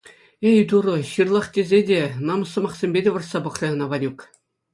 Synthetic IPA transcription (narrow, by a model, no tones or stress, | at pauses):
ejt̪urɤ̆ɕɯrlˠɑχtʲezʲedʲenɑmɤ̆sɤ̆mɑχsʲemʲbʲedʲeʋɤ̆rsɑbɤ̆χrʲeɤnɑʋɑlʲuk